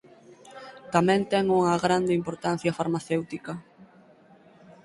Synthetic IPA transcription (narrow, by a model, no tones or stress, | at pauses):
t̪amɛ̃nt̪ɛŋuŋɐɣɾand̪eimpoɾt̪an̟θjɐfaɾmaθewt̪ikɐ